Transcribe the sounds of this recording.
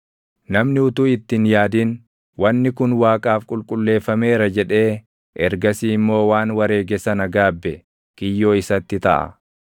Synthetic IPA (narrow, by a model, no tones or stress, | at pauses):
nɐmnɪʊt̪uɪt̪ːɪnjaːd̪in | wʔɐnːɪkʊnwaːkʼaːfkʼʊlkʼʊlːe̞ːfːɐme̞ːɾɐd͡ʒɛᶑe̞ː | ʔɛɾɡɐsiːɪmːo̞ːwaːnwɐɾe̞ːɡɛsɐnɐɡaːbːɛ | kɪjːo̞ːɪsɐt̪ːɪt̪ɐ̰ʔɐ̰